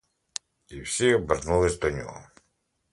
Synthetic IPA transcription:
iwsʲibɛrnulˠɪzʲd̪ɔnʲɔ̰ɦɔ̰

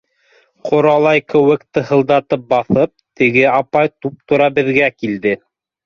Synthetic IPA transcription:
qʰŏɾɑlˠɑjkɘ̆wɘ̆kt̪ɤ̆hɤ̆lˠd̪ɑt̪ɤp̚bɑθɤp̚t̪ɘ̆ɡɘɑpɑjt̪up̚t̪ŏɾɑbɘ̆ðɡækild̪ɘ

